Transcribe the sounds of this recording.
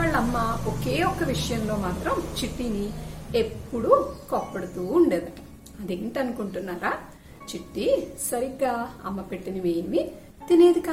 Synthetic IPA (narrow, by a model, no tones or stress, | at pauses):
aːɭːɐmːɐoke̞ːɔkːɐʋiʂɐjɐmlo̞ːmaːt̪ɾɐmt͡ʃiʈːinie̞pːuɽukɔːpːɐɽɐt̪uːɳɖeːd̪ɐɐ | ɐd̪eːɳʈɐnukuɳʈunːaːɾaː | t͡ʃiʈːisɐɾiɡaːɐ̰mːɐpeʈːiniʋeːjnɐʋi | t̪ineːd̪ikaː